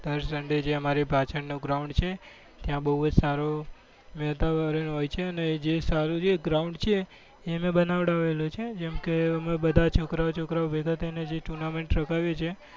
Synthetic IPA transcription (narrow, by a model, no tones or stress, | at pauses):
d̪əɾsəɳɖed͡ʒeəmaɾipat͡ʃəɾnoɡɾauɳɖt͡ʃʰe | t̪jãbəɦud͡ʒsaɾo | mɛt̪aʋaɾinɦojt͡ʃʰeəned͡ʒesaɾud͡ʒeɡɾauɳɖt͡ʃʰeː | əmẽbənaʋɽaʋelot͡ʃʰed͡ʒɛmkeəmebəd̪ʱat͡ʃʰokɾaʋot͡ʃʰokɾaobʱeɡət̪ened͡ʒeʈuɾnameɳʈɾəkaʋjet͡ʃʰe